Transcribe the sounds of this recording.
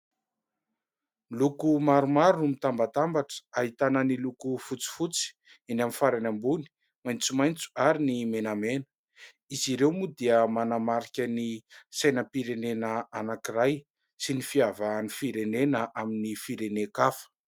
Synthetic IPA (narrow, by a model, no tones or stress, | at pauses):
lukumaɾumaɾumit̪ambat̪ambaʈ͡ʂə̥aɦit̪anənilukufut͡si̥fut͡si̥ | inaminfaɾanambuni̥ | majnt͡sumajnt͡su̥aɾinimenamenə̥ | iziɾewmud̪iəmanamaɾikʲənisajnəpiɾenenəanakiraj | sinifiavanifiɾenenəʔaminifiɾenekafə̥